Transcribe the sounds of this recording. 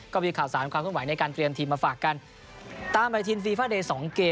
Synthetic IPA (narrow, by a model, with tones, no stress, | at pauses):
kɔː˥˩miː˧kʰaː˨˩wsaː˩˦nkʰwa˧mkʰwa˩˦jna˧jkaː˧nt̪ɾi˧ənt̪ʰiː˧mːaː˧faː˨˩kːa˧n | t̪aː˧mbaː˧t̪ʰiː˧nfiː˧faː˥˩deː˧sɔː˩˦ŋkeː˧